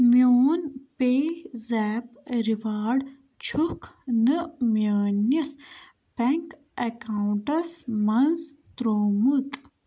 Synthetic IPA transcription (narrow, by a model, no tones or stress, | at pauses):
mjoːnpeːzɛːpɾiʋaːɖ | t͡ʃʰukʰnɨmjaːnɐs | pɛŋk | ekaːuɳʈɐsmɐnzt̪ɾoːmut̪